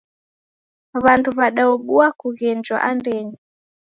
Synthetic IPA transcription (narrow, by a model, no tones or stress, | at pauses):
βantuβaɗaɔɓuakuɣɛnd͡ʒwa̰ʔandɛɲi